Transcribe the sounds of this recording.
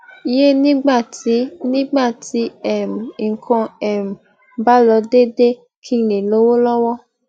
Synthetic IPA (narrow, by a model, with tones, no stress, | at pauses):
i˨je˦nĩ˦ɡ͡ba˦˨ti˨˦nĩ˦ɡ͡ba˦˨ti˨˦ɛ˨m̩˨ŋ˨kʰɔ̃˧ɛ˨m̩˨ | ba˦lɔ˧de˦de˦ | kʰi˦˨nẽ˨lo˨˦wo˦lɔ˦wɔ˦